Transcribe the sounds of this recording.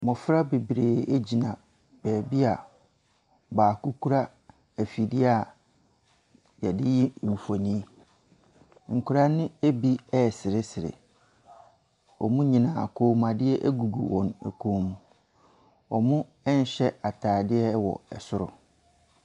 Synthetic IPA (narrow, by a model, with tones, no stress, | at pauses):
mɔ̃˨fɾa˦be˨bɾeː˨e˦d͡ʑi˨nã˨ | b̥ɛː˨bi˦a˨ | baː˨kʰu˦kʰu˦ɾa˦ | æ˨fi˨dɪ˦a˨ | jɛ˨dɪ˦ji˦˨ɱ̩˨fo˨nĩ˦ | ŋ̩˨kʰʊ˨ɾa˦nɪ̃˦e˦bi˦ɛ˦˨sɪ˨ɾɪ˦sɪ˨ɾɪ̰˨ | ɔ̰˨mʊ̃˦ɲĩ˨nã˨a˨kʰoː˨mã˨dɪ˦ɛ˦ʔæ˦ɡu˨ɡṵ˨wɔ̃˨næ̰˨kʰoː˨˦mũ˨ | ɔ˨mʊ̃˦ | ɛ˦n˨ɕɛ˦a˨tʰaː˨dɪ˦ɛ˦wɔ̰˨ɛ˨sʊ˦ɾʊ̰˨